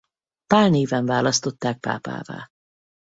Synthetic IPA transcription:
paːlneːvɛɱvaːlɒst̪o̞t̪ːaːk̚pa̰ːpa̰ːva̰ː

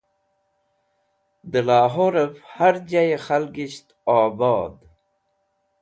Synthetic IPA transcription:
d̪əlaːɦoɾəfhaɾd͡ʒajexalɡiɕt̪aːbɑːd̪

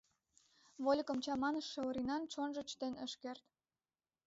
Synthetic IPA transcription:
βolʲkə̆mt͡ɕɑmɑnəʃːĕoɾinɑnt͡ɕonʒə̆t͡ɕt̪enəʃkert̪

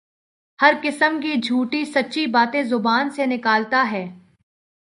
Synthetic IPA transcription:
hɐɾkɪsəmk̬id͡ʒʱuːʈisɐtːʃibaːt̪ẽzʊbaːnsenɪkaːlt̪aɦɛː

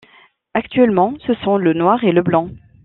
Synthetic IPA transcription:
akt̪ɥɛlmɑ̃səsɔ̃lənwaʁeləblɑ̃

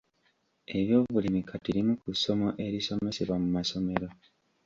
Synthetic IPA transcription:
e̞βjo̞ːβulimikatiɾimukuso̞mo̞ʔe̞ɾiso̞me̞seβwamumaso̞me̞ɾo̞

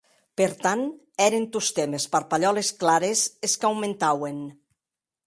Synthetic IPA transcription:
peɾt̪an | ɛɾent̪ust̪emespaɾpaʎɔlesklaɾezeskawmẽnt̪awen

